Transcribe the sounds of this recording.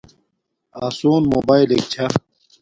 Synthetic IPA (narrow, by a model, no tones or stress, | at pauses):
aːsoːnmoːbaːilek̚t͡ɕʰa